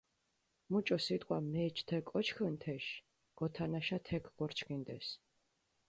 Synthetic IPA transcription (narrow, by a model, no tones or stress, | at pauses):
mut͡ʃʼɔsit̪ʼqʼwamɛːt͡ʃʰt̪ʰɛkʼːɔt͡ʃʰxənt̪ʰɛʃ | ɡ̥ɔt̪ʰanaʃat̪ʰɛkʰɡɔɾt͡ʃʰkind̪ɛs